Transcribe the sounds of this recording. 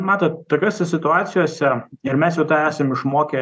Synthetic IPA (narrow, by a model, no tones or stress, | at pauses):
mɑːt̪ɐt̪t̪oːkʲoːsʲɛsʲɪt̪ʊɑːt̪sʲɪjoːsʲɛɪɾmʲɛsjɛʊt̪ɑːæːsɐmɪʃmoːkʲeː